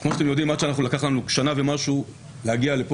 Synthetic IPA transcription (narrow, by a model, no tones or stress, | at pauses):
kmoʃat̪emjo̞d̪imat̪ʃeanaχnulakaχlanuʃanavemaʃu | lehaɡialep